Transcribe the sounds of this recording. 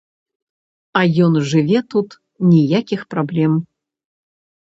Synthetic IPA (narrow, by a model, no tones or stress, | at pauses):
ɐjɔnʐɨvʲɛt̪ut̪ | nʲijakʲixpɾablʲɛm